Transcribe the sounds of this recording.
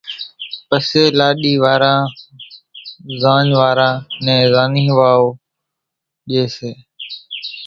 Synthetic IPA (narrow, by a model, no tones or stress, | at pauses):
pəseːlaːɗiːʋaːɾãː | zãːɲʋaːɾãːnɛ̃ːzaːnĩːʋaːoː | ɗieːseː